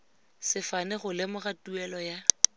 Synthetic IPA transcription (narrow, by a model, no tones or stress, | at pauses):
sɪfanɛχʊlɪmʊχatuɛlɔja